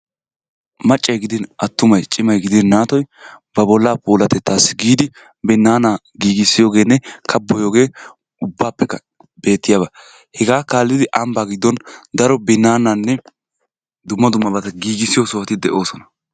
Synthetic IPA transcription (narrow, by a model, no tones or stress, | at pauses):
mɐt͡ʃʼːɐjɡɪd̪ɪnʔɐt̪ːʊmɐjt͡ʃʼɪmɐjɡɪd̪ɪnːaːt̪ɔjbɐbɔlːaːpuːlɐt̪ɛt̪ːaːsɪ̥ɡiːd̪ɪ | bɪnːaːnaː | ɡiːɡɪsːɪjo̞ːɡe̞ːnːɛkʰɐbːɔjo̞ːɡe̞ː | ʊbːaːpːɛkːɐ | be̞ːt̪ːɪjaːbɐ | hɛɡaːkaːlːɪd̪ɪʔɐmbaːɡɪd̪ːɔnd̪ɐɾɔbɪnːaːnaːnːɛ | d̪ʊmːɐd̪ʊmːɐbɐt̪ɐɡiːɡɪsːɪjosɔwɐt̪ɪd̪ɛʔo̞ːsɔnɐ̥